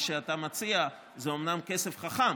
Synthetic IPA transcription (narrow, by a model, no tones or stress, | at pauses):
ʃeatamat͡sia | zeo̞mnamke̞se̞fχaχam